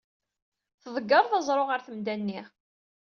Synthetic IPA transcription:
θəðˤəɡːɑɾˤðɑzˤɾˤoʁəɾθəmd̪ænːiʁ

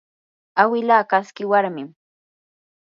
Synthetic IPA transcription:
awɪlaːkaskɪwaɾmɪm

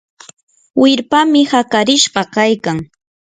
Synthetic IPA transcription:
wɪɾpamɪhakaɾɪʃɢɑkajkaŋ

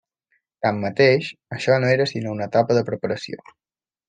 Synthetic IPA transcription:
t̪amːət̪eʃəʃɔnoeɾəsinounət̪apəðəpɾəpəɾəsio̰

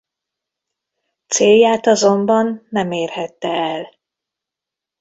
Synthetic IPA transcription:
t̪seːjːaːt̪ɒzo̞mbɒnːɛmeːrhɛt̪ːɛɛl

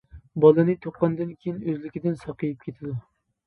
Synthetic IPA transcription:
bɑlˠɨnɨt̪ʰoqːɑnd̪ɨnkʲʰejinøzlɪkʲid̪ɪnsɑqʰɨjɪp̚kʲʰet̪ʰɪd̪u

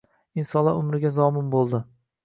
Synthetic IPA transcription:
ɪnsɒnlˠa̰ʊmɾɪɡʲazɒmɪnbolˠd̪ɪ

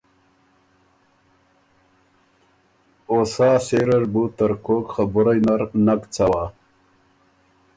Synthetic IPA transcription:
osaːseɾɐɾbut̪ɐɾkoːkxabuɾajnaɾnakt͡sawaː

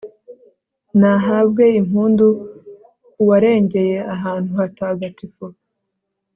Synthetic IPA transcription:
naɦabɡe̞im̥huːndu | kuwaɾe̞ːɲɟe̞je̞aɦaːn̥huhataːɡatifo

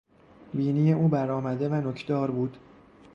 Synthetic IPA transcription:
biːnije̞ʔuːbæɾɒːmæd̪e̞vænocʰd̪ɒːɾbuːd̪̥

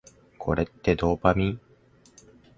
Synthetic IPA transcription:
kʰo̞̰ɾe̞t̪ːe̞d̪o̞ːpamʲi

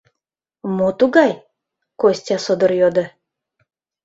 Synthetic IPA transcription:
mot̪uɡɑj | kosʲt̪ʲɑsod̪ə̆ɾjod̪ə̆

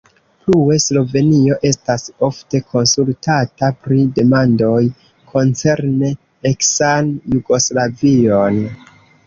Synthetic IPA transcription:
plue̞slo̞ve̞nio̞ʔe̞staso̞fte̞kʰo̞nsultʰatapɾide̞mando̞j | kʰo̞nt͡se̞ɾne | eksanjuɡo̞slavio̞n

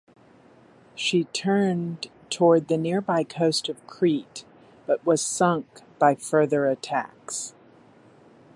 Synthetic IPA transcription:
ʃitʰɜ̃˞ntʰɔɹd̪̚ðɨnɪɹbaɪkʰoʊstʌv̥kʰɹ̥it | b̥ʌʔ̚wʌz̥sʌ̃ŋk̚b̥aɪfɜ˞ðə˞ɨtʰæ̰ks

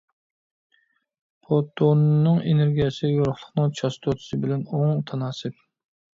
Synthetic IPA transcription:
pʰot̪ʰːonːɨŋeneɾɡʲijɛsɪjoɾʊχlˠəχnɨŋt͡ʃʰɑst̪ʰot̪ʰʊ̥sɨbɪlɛnoŋut̪ʰɑnɑːsɨp̚

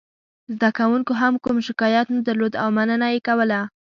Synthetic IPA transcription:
zd̪akawuŋkoɦamkumʃɪkɑjat̪nad̪aɾlod̪awmanənajekawəla

